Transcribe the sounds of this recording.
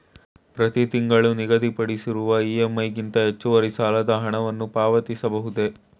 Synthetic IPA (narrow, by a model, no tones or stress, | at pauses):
pɾɐt̪it̪iŋɡɐɭuniɡɐd̪ipɐɽisiɾuʋɐiːemːɐjɡint̪ɐɦet͡ʃːuʋɐɾisaːlɐd̪ɐɦɐɳɐʋɐnːupaːʋɐt̪isɐbɐɦud̪e̞